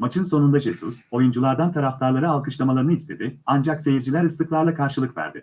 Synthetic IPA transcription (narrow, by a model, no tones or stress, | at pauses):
mat͡ʃʰɯnso̞nund̪aʒesuso̞jund͡ʒulˠaɾd̪ant̪ʰaɾaft̪ʰaɾlˠaɾɯalˠkʰɯʃlˠamalˠaɾɯnɯist̪ʰed̪ɪand͡ʒakse̞jiɾd͡ʒilʲæɾɯsˠɯklˠaɾlˠakʰaɾʃɯlˠɯkvæ̰ɾd̪ɪ̰